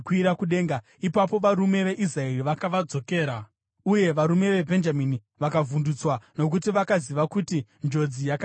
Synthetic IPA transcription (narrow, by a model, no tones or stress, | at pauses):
kwiɾakuɗe̞ːŋɡa | ipapo̞ʋaɾume̞ʋe̞ʔis̬raeriʋakaʋad͡zo̞ke̞ːɾa | uje̞ʋaɾume̞ʋe̞bʱe̞nd͡ʒamini | ʋakavundut͡swano̞k̬utiʋakaziʋakutind͡ʒo̞d͡zijaka